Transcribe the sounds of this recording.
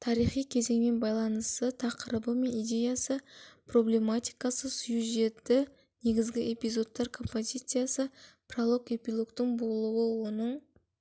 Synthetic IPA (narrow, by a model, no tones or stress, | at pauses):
t̪ʰɑɾijχijkʲʰe̞ze̞ŋme̞nbɑjlˠɑnəst̪ət̪ʰɑqəɾəbəme̞nijd̪ʲe̞jasəpro̞ble̞mat̪ʲijkɑsəsjuʒe̞t̪ːɪ | ne̞ɡʲɪzɡʲɪe̞pʲijzo̞t̪ːɑɾkʰo̞mpo̞zʲijt̪sɨjasəprolˠo̞ke̞pʲilˠo̞kt̪əɴbo̞lˠuwəwo̞nəɴ